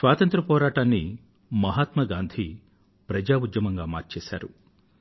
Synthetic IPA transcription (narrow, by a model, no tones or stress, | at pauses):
sʋaːt̪ɐnt̪ɾɐpɔːɾaːʈaːnːi | mɐɦaːt̪mɐɡaːnd̪ʱi | pɾɐd͡ʒaːud̪jɐmɐŋɡaːmaːɾt͡ʃɛːʃa̰ːɾu